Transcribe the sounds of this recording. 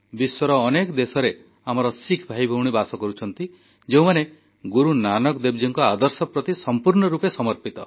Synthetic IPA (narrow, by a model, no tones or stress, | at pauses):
biswɔɾɔːnekɔd̪esɔɾe | am̤ɔɾɔsikʰbʱajbʱowɽ̃ibasɔkɔɾut͡ʃʰɔnt̪i | d͡ʒeũmane | ɡuɾunanɔkd̪ebd͡ʒiŋkɔad̪ɔɾsɔpɾɔt̪isɔmpuɾɳɔɾupesɔmɔɾpit̪ɔ